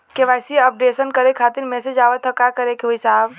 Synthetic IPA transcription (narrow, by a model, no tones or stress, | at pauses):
keʋajsiəp̚ɖeːsənkəɾekʰaːt̪iɾmɛsed͡ʒaːʋət̪ɦɔkakəɾekeɦuisaːɦb